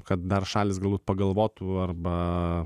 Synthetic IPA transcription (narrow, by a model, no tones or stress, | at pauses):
kɐt̪̚d̪ɐrʃɑːlʲɪsɡɐlˠbuːt̪̚pɐɡɐlˠʋoːt̪ʊɐrbɐ